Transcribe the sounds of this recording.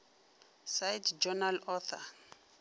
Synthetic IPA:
sajtd͡ʒɔnalɔθa̰

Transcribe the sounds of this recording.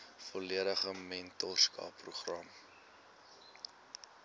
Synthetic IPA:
fɔliəɾəχəmɛntɔrskɑ̰ːpruχrɐm

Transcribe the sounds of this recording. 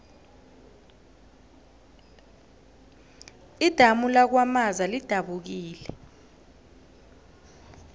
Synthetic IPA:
id̥ʱamulak̬wamazalid̥ʱaɓuk̬iːlɛ

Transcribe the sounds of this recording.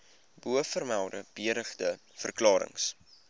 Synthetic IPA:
buəfərmælˠdəb̥iəɾəχdə | fərklɑːɾə̰ŋs

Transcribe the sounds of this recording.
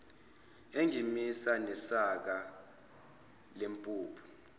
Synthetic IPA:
eŋimisanɛsak̬a | lempʼuːpʰu̥

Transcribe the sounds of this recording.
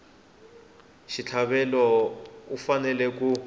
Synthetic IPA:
ʃit͡ɬʰaβɛlɔufanɛlɛku

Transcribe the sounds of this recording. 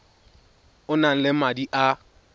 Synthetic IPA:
ʊnan̩lɪm̩madiʔa

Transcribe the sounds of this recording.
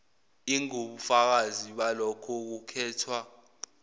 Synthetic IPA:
iŋoɓufak̬aziɓalɔkʰɔk̬ukʰɛːtʰwa

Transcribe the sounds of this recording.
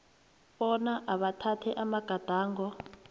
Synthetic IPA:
ɓɔnaʔaβatʰatʰɛʔamaɡ̥ʱad̥ʱaːŋɡɔ

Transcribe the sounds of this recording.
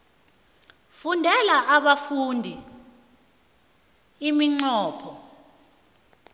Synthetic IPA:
fundʱɛlaʔaɓafundʱi | imiŋ͡ǀɔːpʰɔ

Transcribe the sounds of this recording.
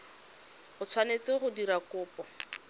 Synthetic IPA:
χʊt͡sʰwanet͡sɪχʊdiɾakʊːpɔ

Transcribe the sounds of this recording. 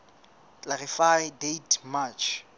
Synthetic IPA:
t͡ɬʼlarifajdejtʰmat͡ʃʰ

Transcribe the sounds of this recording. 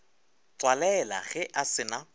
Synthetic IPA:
t͡swalɛla̰χɛʔasɪna

